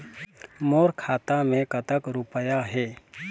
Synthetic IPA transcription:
moːɾkʰaːt̪amẽkət̪əkɾupəjaɦɛː

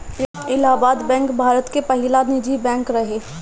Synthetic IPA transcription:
ɪlaːbaːd̪bɛ̃ːŋkbʱaːɾət̪kepɐɦɪlanɪd͡ʒibɛ̃ːŋkɾɐɦeː

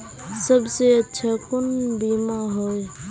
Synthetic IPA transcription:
səbseətːʃʰakʊnbimaɦoj

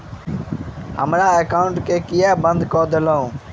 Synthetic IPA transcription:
ɦəmɾaːekaːʊɳʈkeːkɪjaːbənd̪koːd̪əloũː

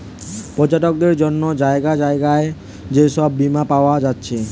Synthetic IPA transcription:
pɔd͡ʑaʈok̚d̪eɾd͡ʑonːod͡ʑaeɡad͡ʑaeɡae | d͡ʑeʃɔbːimapaoad͡ʑatːɕʰe

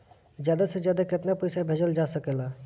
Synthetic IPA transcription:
d͡ʒjaːd̪asezjaːd̪akɪt̪napəjsabʱeːd͡ʒəld͡ʒasəkela

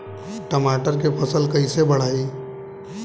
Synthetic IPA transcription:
ʈəmaːʈəɾkepʰɐsəlkɐisebɐɽ̤aːiː

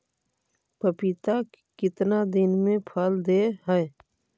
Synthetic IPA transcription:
pəpit̪a | kɪt̪nad̪ɪnmẽpʰəld̪eɦɛɛ

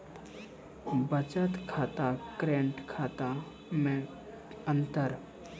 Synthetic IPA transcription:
bət͡ʃət̪kʰaːt̪akɾẽːɳʈkʰaːt̪a | mẽ | ə̃nt̪əɾ

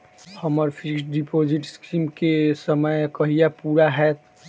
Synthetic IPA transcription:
həməɾpʰɪksɖipoːd͡ʒɪʈskimkesəməjkəɦijapuːɾaɦɛ

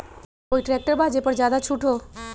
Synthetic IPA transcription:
oːiʈɾɛːk̚ʈəɾbʱaːd͡ʒepəɾd͡ʒjaːd̪at͡ʃʰuːʈɦoː

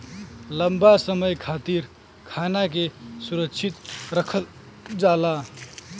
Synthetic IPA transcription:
ləmbasəməjkʰat̪iɾ | kʰanak̬esuɾəkʃʰit̪ɾəkʰəl | d͡ʒala

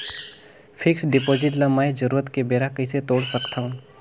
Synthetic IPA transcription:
fʰɪksɖɪpoːzɪʈlɐmaːed͡ʒɐɾuːɾət̪kebeːɾakɐiset̪oːɽsəkt̪aɦũ

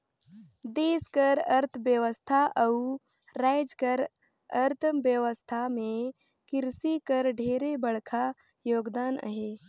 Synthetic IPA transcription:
d̪eːskəɾəɾt̪ʰəbjəʋəst̪ʰaʔəu | ɾajd͡ʒkəɾ | əɾt̪ʰbjəʋəst̪ʰamẽ | kɪɾsikəɾɖʱeːɾebəɽkʰa | joːɡd̪aːnə̰ɦe

